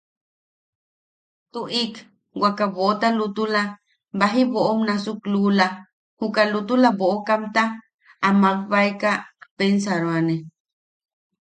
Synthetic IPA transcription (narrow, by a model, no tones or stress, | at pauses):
t̪uʔik | wakaβoot̪alut̪ula | baɦiβoʔomnasuklula | hukalut̪ulaβoʔokamt̪aː | makβaekapensaɾoane